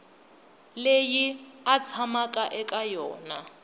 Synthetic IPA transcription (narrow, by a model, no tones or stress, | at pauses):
lejiat͡sʰamakʼaʔɛkʼajɔ̰ːna